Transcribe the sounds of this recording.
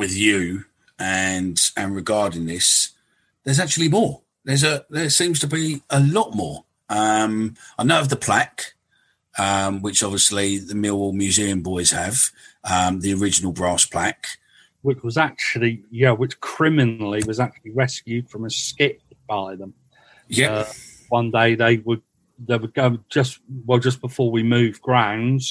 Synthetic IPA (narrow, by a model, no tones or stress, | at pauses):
wɪðjɨ | ə̃nə̃nɹɪɡɑːɾɪ̃ŋðɪs | ðə˞zak̚t͡ʃʉəlimɔː | ðə˞zəðəsĩːmz̥tʰəbiəlɒʔmɔːɹ | ʌ̃maɪnəʊəvðəpʰl̥ak | ʌ̃mwɪt͡ʃɒbviəsliðəmɪlˠmjʉziə̃mbɔɪz̥əv̥ʌ̃mðiəɹɪd͡ʒənəl̩ˠbɹɑˑspʰl̥ak | wɪt͡ʃwɒzak̚t͡ʃul̩ˠijæwɪt͡ʃkʰɹ̥ɪmɪnl̩iwɒzak̚t͡ʃul̩ˠiɹɛskjʉd̥fɹə̃məskɪʔ̚ | b̥aɪðə̃m | jɛʌ | wʌ̃ndeɪðeɪwə | ðeɪwəɡəʊd͡ʒʌswɛlˠd͡ʒʌs̬b̥ɪfɔːwimʉːvɡɹãʊ̃nz̥